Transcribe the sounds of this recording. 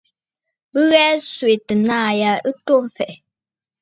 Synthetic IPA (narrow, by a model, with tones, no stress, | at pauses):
bə˦ɣɛ˦swe˨tɨ˨naː˦˨ja˦ɨ˦to˦m˦fɛ˨ʔ